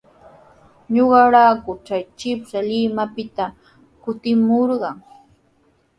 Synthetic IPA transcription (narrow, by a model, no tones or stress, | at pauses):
ɲoɢɑɾakʊt͡ʃajt͡ʃɪpsalɪmapɪt̪a | kʊt̪ɪmoɾɢɑŋ